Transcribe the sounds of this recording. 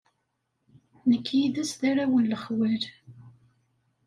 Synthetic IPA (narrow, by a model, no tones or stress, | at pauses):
nəkːjiðæsðaɾawənləχwæl